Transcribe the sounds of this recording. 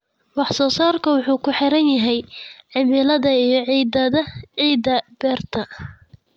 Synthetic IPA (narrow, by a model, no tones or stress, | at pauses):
wɑħsɔːsaːrkʰɐwʊħuːkʰʊħɪɾɐnjɐɦɛjʕɪmɪlɐðɐijɞʕiːd̪ɐðɐʕiːd̪ɐbɛːrt̪ʰɐ